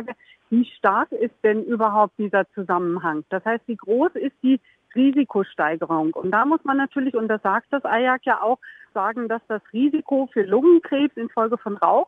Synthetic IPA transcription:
aːɡə | v̥iːʃtaɐkɪst̚d̥ɛnʔyːbɐɦaʊp̚t̚d̥iːzɐt͡suzamənɦaŋd̥ashaɪstv̥iːɡʁoːsɪst̚d̥iː | ʁiːzikʰoʃtaɪɡəʁʊŋʊntd̥aːmʊsmanːatʰyːɐlɪçʊnt̚d̥asz̥aːk̚t̚d̥asʔaɪjakjaːʔaʊxz̥aːɡŋ̩d̥asd̥asʁiːzikʰofyːɐlʊŋənkʁ̥ɛːpsɪnfɔlɡəfɔnʁa̰ʊx

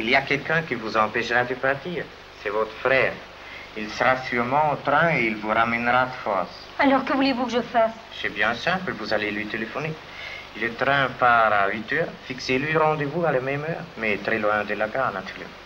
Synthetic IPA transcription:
iliakɛlkɛ̃kivuzɑ̃pɛʃʁad̪əpaʁt̪iːʁ | sɛvɔt̪ʁəfʁɛːʁ | ilsəʁasyʁmɑ̃ot̪ʁɛ̃eilvuʁamɛnʁad̪əfɔ̰ʁs | alɔʁkəvulevukəʒəfas | ʒɛbjɛ̃sɛ̃plvuzalelɥit̪elefɔne | lət̪ʁɛ̃paʁait̪œːʁfikselɥiʁɑ̃d̪evualamɛmœːʁmɛt̪ʁɛlwɛ̃d̪elakanat̪ʰyʁlɛ̰mɑ̃

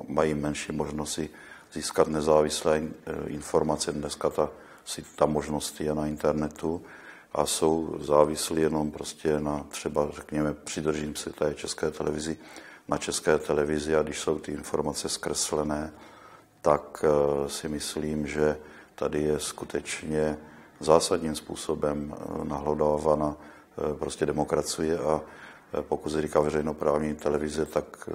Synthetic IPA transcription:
majiːmɛnʃiːmoʒnosɪ | z̥iːskat̪nɛzaːvɪslɛːɪ̰nfo̞ɾmat͡sɛdnɛskat̪a | sɪt̪amoʒno̞st̪jɛnaint̪ɛɾnɛt̪u | ʔa̰so̞wzaːvɪslijɛno̞mpɾoscɛnat̪r̝̥ɛbarɛkɲɛmɛpr̝̥ɪd̪r̩ʒimsɛt̪ɛt͡ʃɛskɛːt̪ɛlɛvɪzɪ | nat͡ʃɛskɛːt̪ɛlɛvɪzɪaɡdɪʃso̞wt̪ɪɪnfo̞ɾmat͡sɛskɾɛslɛnɛː | t̪aksɪmɪsliːmʒɛ | t̪adɪjɛskut̪ʰɛt͡ʃɲɛ | zaːsad̪ɲiːmspṵːso̞bɛmnaɦlɛdovana | pɾoscɛdɛmokɾat͡sijɛa | po̞kut̪sɛɾiːkavɛrɛjno̞pɾaːvɲiːt̪ɛlɛvɪzɛt̪ak

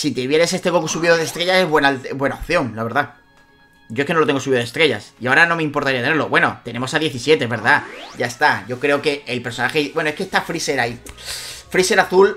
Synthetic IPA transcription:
sit̪eβje̞ɾe̞se̞st̪e̞ko̞kusuβiðoðest̪ɾe̞ʝase̞zβwe̞nalt̪βwe̞naop̚θjo̞ŋlaβe̞ɾða | ɟ͡ʝoeskenooeŋɡosuβiðe̞st̪ɾe̞ʝa̰siaoɾano̞meĩmpo̞ɾt̪aɾiat̪ene̞ɾlo̞̰βwe̞no̞̰t̪e̞ne̞mo̞saðje̞θisjet̪ezβe̞ɾðaɟ͡ʝaest̪aʝo̞kɾe̞oke̞elpe̞ɾsonaxeibwe̞noeskest̪afɾise̞ɾai | fɾise̞ɾaθul

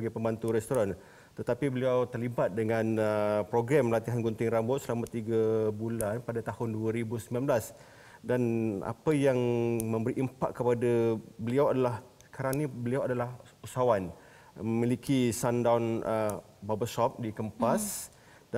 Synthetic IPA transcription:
aɡapəmbant̪uɾɛst̪oɾan | t̪ət̪apibəliawt̪ərlibat̪̚dəŋãnəpɾoɡɾaməlant̪iɦanɡɔnt̪ɪŋrambʊt̪̚səlamat̪iɡabulanpadat̪ahʊnduaɾibusəmbilanblas | dana̰pəjaŋmə̃mbəɾiʔimpa̰ʔkːəpadabəliawadalah | sə̥kaɾaŋnibəliawadalah | usaawan | məmilikʰisandawnə | babəsɔp̚dikəmpas | d

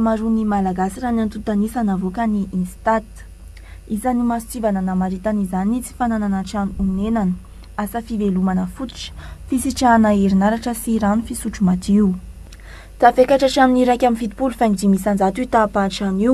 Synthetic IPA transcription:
amaɾunimalaɡasiranant̪ut̪anisanavokəniʔinst̪at̪ | izanimast͡sivananamaɾit̪anizanit͡si̥fanananaʈ͡ʂanuunenanə | asəfivelumanəfut̪i̥ʈ͡ʂə̥fisiʈ͡ʂanaeɾinaɾaʈ͡ʂəsiɾanufisuʈ͡ʂumat̪iu | t̪afekaʈ͡ʂaʈ͡ʂaminiɾakʲaminfit̪i̥pulufanid̪imisand͡zat̪ut̪apanʈ͡ʂaniw

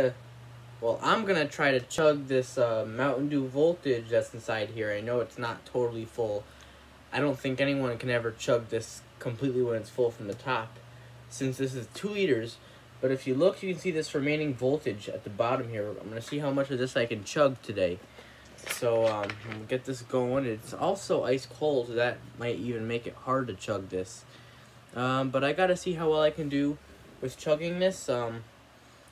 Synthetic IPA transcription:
wɛlˠʔã̰ɪ̃mɡʌnɨtʰɹ̥aɪɾɨt͡ʃʰʌɡ̚ðɪsʌmãʊ̃ʔn̩dʉvoʊlˠtɪd͡ʒðɨtsn̩saɪd̚ɦiɹaɪnoʊɨtsnətʰoʊɾl̩ˠifʊlˠ | aɪɾõʊ̃nθɪ̃ŋkɛniwʌ̃nkʰɨ̃nɛvə˞t͡ʃʰʌɡ̚ðɪs | kʰə̃m̩pʰl̥itˡliwə̃nɨtsfʊlˠfɹʌ̃mðɨtʰɑp | sɪ̃nsðɪs̬ɨz̥tʰʉliɾə˞z | b̥ʌɾɨfjɨlʊkʰjɨkɨ̃nsiðɪsɹɨmẽɪ̃nɪ̃ŋvolˠtɨd͡ʒɨ̰t̪̚ðɨbɑɾɨ̃mhiɹa̰ɪ̃mɡʌnɨsiɦaʊmʌt͡ʃʌvðɪsaɪkɨ̃nt͡ʃʰʌɡ̚tʰɨdeɪ | soʊʌ̃mɡɛt̪̚ðɪs̬ɡ̥oʊɪ̃nɨtsɔ̰lˠsoʊʔaɪskʰoʊlˠðɨt̚maɪɾivɨ̃nmeɪkɨ̰t̚hɑɹd̚tɨt͡ʃʰʌɡ̚ðɪs | ʔʌ̃bʌɾaɪɡɑɾɨsiɦaʊwɛlˠaɪkɨ̃ndɨ | wɨð̥t͡ʃʰʌɡɪ̃ŋðɪsʌ̃m

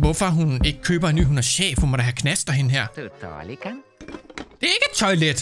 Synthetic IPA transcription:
ʋɔfɒɦune̝ɡ̥ə̥kʰø̰ːb̥ɐenːy̰ːɦunɐɕɛ̰ːfɒmɒdɾæɦækʰnæsd̥ɐɦe̝nəɦeɐ̰dd̥l | d̥e̝æɐe̝ɡ̥əed̥̚t͡sʰɒ̽ɪled̥

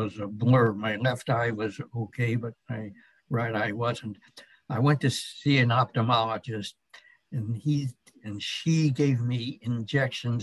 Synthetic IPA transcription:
wʌzəblɜ˞maɪlɛftaɪwʌzoʊkʰeɪbʌt̚maɪ | ɹaɪɾaɪwʌzɨ̃nt | aɪwɛ̃ntʰɨsiɨ̃nɑp̚tɨmɑlˠəd͡ʒɨst̚ | ɨ̃ni | ɨ̃nʃiɡeɪvmiɪ̃nd͡ʒɛkʃɨ̃n

